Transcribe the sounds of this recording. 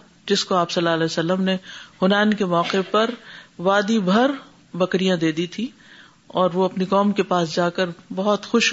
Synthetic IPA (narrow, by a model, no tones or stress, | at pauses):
d͡ʒɪskoaːpsɐlːaːlɛːsɐlːəmnehʊnaːnkemɔːqepɐɾʋaːd̪ibʱɐɾ | bɐkɾijãd̪eːd̪it̪ʰi | ɔːɾʋoɐpnikɔːmkepaːsd͡ʒaːkəɾbɐɦʊt̪xʊʃ